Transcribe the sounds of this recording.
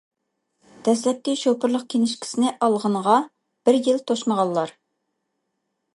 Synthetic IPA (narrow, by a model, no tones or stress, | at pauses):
d̪̥ɛs̬lɛt̪ːiʃopʰʊɾlˠəq̚kʲʰenɪʃkʲʰi̥sɪnɪʔɑlˠʁəɴʁɑ | b̥ɪɾjilt̪ʰoʃməʁɑlˠlːˠɑɾ